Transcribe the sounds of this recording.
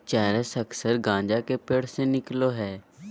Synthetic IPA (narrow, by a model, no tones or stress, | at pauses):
t͡ʃɛːɾəsəksəɾɡãːɲd͡ʒaːkepeːɽ̤senɪkloːɦɛː